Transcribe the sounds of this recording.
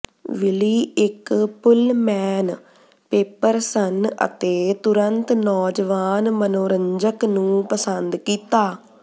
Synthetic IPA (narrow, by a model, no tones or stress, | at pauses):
ʋɪliːɪkpʊlmɛːn | peːpəɾsənə̰t̪eːt̪ʊɾənt̪nɔːd͡ʒəʋaːnmənoːɾəɲd͡ʒəknũːpəsənd̪kiːt̪aː